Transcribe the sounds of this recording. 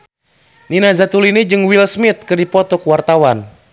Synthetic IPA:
ninazat̪ulinid͡ʒɨŋwilsmit̪̚kɨrdipɔt̪ɔkuwart̪awan

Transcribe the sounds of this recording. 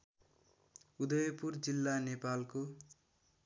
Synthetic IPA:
ud̪ʌjʌpurd͡zilːanepalko

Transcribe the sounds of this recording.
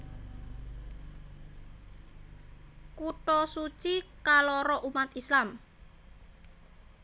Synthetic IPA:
kuʈɔsut͡ʃikalɔɾɔʔumat̪islam

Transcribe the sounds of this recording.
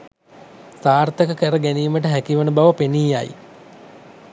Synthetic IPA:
saːrt̪əkəkəɾəɡæniːməʈ̬əɦækiʋənəbaʋəpeniːjaj̰

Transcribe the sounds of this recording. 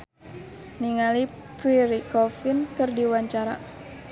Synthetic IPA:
niŋali | piɾikɔfɪnkɨrdiwaɲt͡ʃaɾa̰

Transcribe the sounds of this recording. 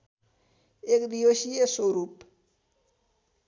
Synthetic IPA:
ekd̪iosijeswoɾup

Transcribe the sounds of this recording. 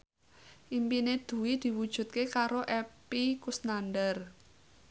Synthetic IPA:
ʔimpined̪̥ṳwid̪̥i̤wud̥ʒ̥ṳt̪̚kekaɾoʔɛpikusnanɖər

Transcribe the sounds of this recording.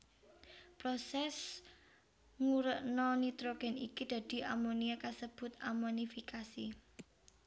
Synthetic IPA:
pɾosɛs | ŋuɾəʔnɔnit̪ɾoɡ̥ɛ̤nikid̪̥ä̤d̪̥i̤ʔamoniakasəb̥ʊ̤t̪amonifikasi

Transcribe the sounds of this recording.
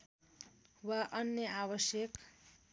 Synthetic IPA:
waʔʌnjʌabʌsjʌk

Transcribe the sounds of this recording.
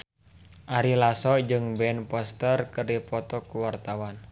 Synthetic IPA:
ʔaɾilasɔd͡ʒɨŋbɛnpɔst̪ərkəripɔt̪ɔkuwart̪awan

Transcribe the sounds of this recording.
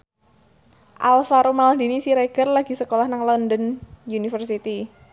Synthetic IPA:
ʔa̰lfaɾomald̪i̤nisiɾeɡ̥ə̤rlaɡ̥i̤səkolahnaŋlɔndənjunifərsit̪i

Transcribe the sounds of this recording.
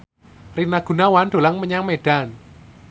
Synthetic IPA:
rinaɡ̥ṳnawand̥̪o̤laŋməɲaŋmeɖ̥an

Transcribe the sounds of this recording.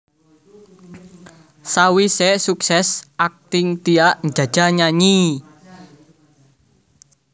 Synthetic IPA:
sawisesuksɛsʔak̚t̪ɪŋt̪iaʔnd͡ʒä̤̥d͡ʒ̥a̤ɲaɲi

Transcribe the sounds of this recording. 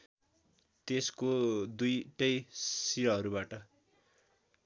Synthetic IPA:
t̪eskod̪ujʈʌjsiɾʌɦʌɾubaʈʌ

